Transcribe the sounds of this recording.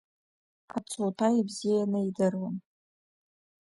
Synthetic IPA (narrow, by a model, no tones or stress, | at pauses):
qʰat͡sʰotʰaibzijanɨidɨrwan